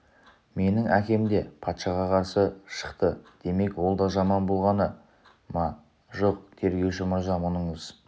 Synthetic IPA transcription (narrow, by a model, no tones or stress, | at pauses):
me̞nɪŋækʲe̞md̪e̞pʰɑt̪ʃɑʁɑqʰɑɾsəʃə̥qt̪əd̪̥e̞me̞kwo̞lˠd̪ɑʒɑmɑnbo̞lˠʁɑnə | mɑ | ʒo̞q̚t̪ʰe̞ɾɡʲe̞wʃ̬ɪmʊɾzɑmʊnəɴəz̥